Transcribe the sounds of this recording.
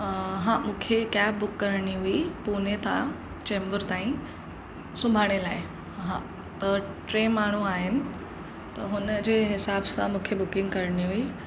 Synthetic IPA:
ɦãmũːkʰekaːp̚bʊkːɐɾɽ̃iɦuipuːnet̪ʰa | t͡ɕẽːmbəɾt̪aːĩ | sʊ̃mbʱaːɽ̃elaːɪ | ɦã̰ | t̪ɐʈɾeːmaːɳ̤̃uaːɦɪnɪ̆ | t̪ɐɦʊnəd͡ʑeːɦɪsaːbsã̰mũːkʰebʊkɪ̃ŋɡkɐɾɽ̃iɦui

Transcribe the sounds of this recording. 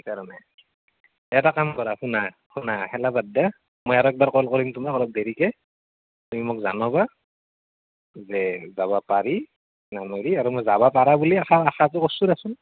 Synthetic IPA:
kaɹɔnɛ | ɛjɛtakamkɔɹahuna | hunahɛlabadːa | mojaɹɔɛk̚baɹkɔlkoɹimtumakɔlɔp̚deɹikɛ | tumimʊk̚zanɔba | zɛzabapaɹi | nameɹiaɹumojzabapaɹabuliaxaaxatʊkɔsudasʊn

